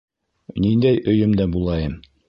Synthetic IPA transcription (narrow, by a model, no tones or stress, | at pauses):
nind̪æjɵ̆jɵmd̪æbulˠɑjɤm